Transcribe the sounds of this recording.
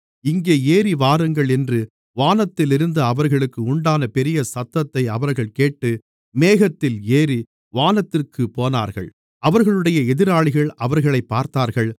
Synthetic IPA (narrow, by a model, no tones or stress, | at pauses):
ɪŋɡeːeːɾiʋaːɾɯŋɡɐɭɛndrɯ | ʋaːnɐt̪ːɪlɪɾɯnd̪ɯɐʋɐɾɣɐɭɯkːɯʊɳɖaːnɐpɛɾɪjɐsɐt̪ːɐt̪ːɐɪɐʋɐɾɣɐɭkeːʈːɯ | meːɣɐt̪ːɪleːɾi | ʋaːnɐt̪ːɪrkɯpoːna̰ːɾɣɐ̰ɭ | ʔɐʋɐɾɣɐɭɯɽɐjɐɛðɪɾaːɭɪɣɐɭɐʋɐɾɣɐɭɐɪpːaːɾt̪aːɾɣɐɭ